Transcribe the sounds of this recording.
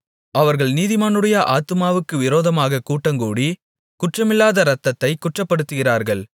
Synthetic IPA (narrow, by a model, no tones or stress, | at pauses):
ɐʋɐɾɣɐɭniːðɪmaːnɯɽɐjɐʔaːt̪ːɯmaːʋɯkːɯʋɪɾoːðɐmaːɣɐkuːʈːɐŋɡuːɽi | kʊʈrɐmɪlːaːðɐɾɐt̪ːɐt̪ːɐɪkːʊʈrɐpːɐɽɯt̪ːɯɣɪraːɾɣɐɭ